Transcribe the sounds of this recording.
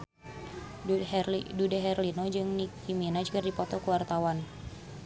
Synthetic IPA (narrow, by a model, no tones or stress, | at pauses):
dudɛɦɛrlinod͡ʒɨŋnikiminad͡ʒukərdipɔt̪ɔkuwart̪awan